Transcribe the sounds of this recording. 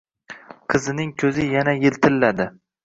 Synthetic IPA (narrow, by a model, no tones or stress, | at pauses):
qʰɨzɪnɪŋkʲʰɵzɪjanajɪlt̪ʰɪlːad̪ɪ